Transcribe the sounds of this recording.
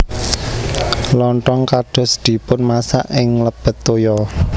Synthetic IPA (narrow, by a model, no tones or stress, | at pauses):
lɔɳʈɔŋkaɖ̥ɔ̤sd̪̥i̤pʊnmasa̰ʔɪŋləb̥ə̤t̪ːojɔ